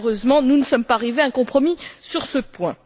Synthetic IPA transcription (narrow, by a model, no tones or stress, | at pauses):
ʁøzmɑ̃nunəsɔmpaːʁiveɛ̃kɔ̃pχɔmisyʁsəpwɛ̃